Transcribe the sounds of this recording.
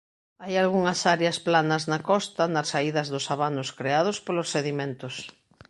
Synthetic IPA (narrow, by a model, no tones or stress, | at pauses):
ajalɣuŋɐsaɾjɐsplanɐznɐkɔst̪ɐnɐsːaiðɐzðʊsaβanʊskɾeað̞ospolosːeðimẽnt̪ʊs